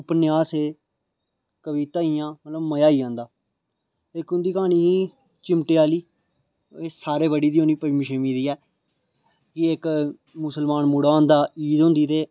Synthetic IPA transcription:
ʊpnɪaːseː | kəʋiːt̪aːijãːmət̪ləbməjaːiːãːnd̪aː | ɪkʊnd̪iːkãːñiːiː | t͡ʃɪmʈeːaːliː | esaːɾeːbəɽiːd̪iːõniːpəɾmɪʃəːmĩːd̪iːɛː | kɪɪk | mʊsəlmaːnmʊɽaːõːnd̪aːiːd̪ɦõːnd̪iːt̪eː

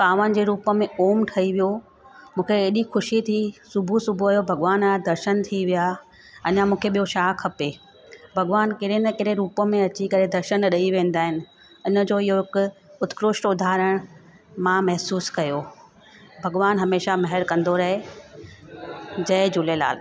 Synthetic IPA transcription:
kaːʋən̆d͡ʑeːɾuːpə̆mẽʔoːmʈʰɐiʋijo | mũːkʰeːɗixʊʃit̪ʰisʊbʱusʊbʱuɐjobʱɐɡʋaːnd̪ɐɾʃənt̪ʰiʋija | ɐɲamũːkʰeɓijoʃaːkʰːɐpe | bʱɐɡʋaːnkɪɾenəkɪɾeɾuːpəmẽɐt͡ɕikɐɾed̪ɐɾʃənɗɐiʋẽːnd̪aːɦɪnɪ̆ | ʊnə̆d͡ʑoːɪɦoɦɪkʊʊt̪kɾʊʃʈʊd̪ʱaːɾəɽ̃ | mãmɐɦsuːskɐjo | bʱɐɡʋaːnɦɐmeːʃamɐɦɛɾkɐ̃nd̪oɾɐɦe | d͡ʑɐɪd͡ʑʊlela̰ːl

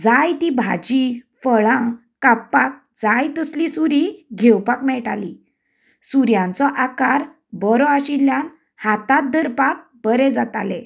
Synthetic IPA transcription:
d͡zajt̪ibʱa̰d͡ʑifəɭã | kapːak̚ | d͡zajt̪əslisuɾiɡʱewpakmɛɭʈali | suɾjãnt͡sɔʔakaɾ | bəɾɔaɕiljan | hat̪at̪̚d̪əɾpak̚ | bəɾɛd͡zat̪alɛ̰̃

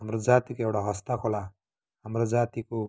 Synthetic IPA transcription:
ɦamrod͡zat̪ikoewʈaɦʌst̪akʰola | ɦamrod͡zat̪iko

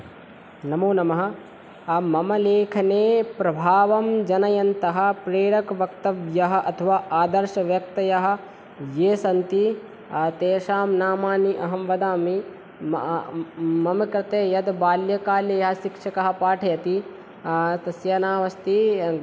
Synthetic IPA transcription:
nɐmoːnɐmɐɦɐ̆ | mɐmɐleːkʰɐneːpɾɐbʱaːʋɐmd͡ʒɐnɐjɐnt̪ɐɦɐ̆pɾeːɽɐkɐʋɐk̚t̪ɐʋjɐɦɐ̆ʔɐt̪ʰɐʋaːʔaːd̪ɐɾʃɐʋjɐk̚t̪ɐjɐɦɐ̆ | jeːsɐnt̪i | t̪eːʃaːmnaːmaːniʔɐɦɐmʋɐd̪aːmi | mɐmɐkɾɐt̪eːjɐd̪baːljɐkaːljɐjɐɦɐʃikʂɐkɐɦɐ̆paːʈʰɐjɐt̪i | t̪ɐsjaːnaːʋɐst̪i

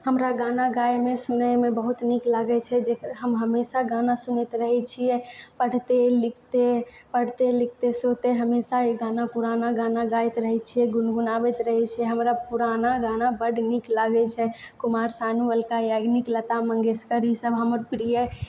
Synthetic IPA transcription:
həmɾaɡanaɡajmesunəmebəɦut̪niklaɡɛt͡ʃʰɛd͡ʒeɦəmɦəmesaɡanasunɛt̪ɾəɦɛt͡ʃʰijɛpəɽ̤t̪elikʰt̪epəɽ̤t̪elik̚ʰt̪esot̪eɦəmesaeɡanapuɾanaɡanaɡajt̪ɾəɦɛt͡ʃʰijɛɡunɡunabɛt̪ɾəɦɛt͡ʃʰɛɦəmɾapuɾanaɡanabəɖniklaɡɛt͡ʃʰɛ | kumaɾsanuʋəlkajaɡniklət̪amə̃ŋɡeskəɾisəbʱɦəməɾpɾije

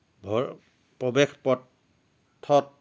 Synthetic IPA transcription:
bʱɔ | pɹɔbɛkpɔ | tʰːɔt̚

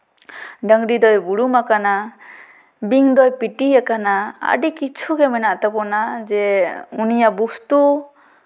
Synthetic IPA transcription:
ɖaŋɾid̪ɔjbuɽumakana | biŋd̪ɔjpitiakanaa̰ɖikit͡ʃʰuɡemɛnaʔt̪apɔnazɛunijabustu

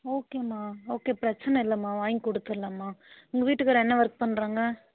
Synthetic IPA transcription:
oːkeːmaːoːkeːpɪɾɐt͡ʃːɐnɐɪlːɐmaːʋaːjŋkɔɽɯt̪ːɯlːɐmaːɪŋɡɐʋiːʈːɯkːɐɾɐɛnːɐʋɐɾk̚pɐɳːɾaːŋɡɐ

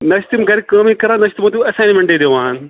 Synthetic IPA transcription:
nɐʃt̪imɡɐɾikɐːmikɐɾaːnɐʃt̪imot̪iɐsaːnimẽɳʈed̪eʋãːn

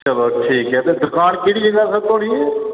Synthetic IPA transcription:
t͡ʃəloːʈʰiːkɦɛːt̪ed̪ʊkaːnkɪɽiːd͡ʒəɡaɾsət̪oːɽiːɛː

